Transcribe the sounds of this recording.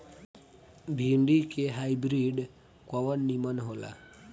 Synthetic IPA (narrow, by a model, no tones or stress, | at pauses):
bʱiɳɖikeɦaibɾiɖ | kɔʋənːimənɦola̰